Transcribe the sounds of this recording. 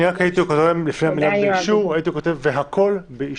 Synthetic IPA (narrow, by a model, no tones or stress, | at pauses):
iakhait̪ikotoʁemlifniamiladleiʃuʁait̪iko̞t̪evːeɦakʰo̞lbei